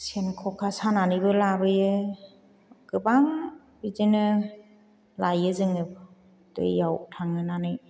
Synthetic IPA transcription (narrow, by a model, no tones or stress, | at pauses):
senkʰɔkʰasananɯjbɯlabɯjɯ | ɡ̥ɯbaŋ | bizinɯ | lajɯzɯŋɯb | dɯ̰jːawtʰaŋɯnanɯj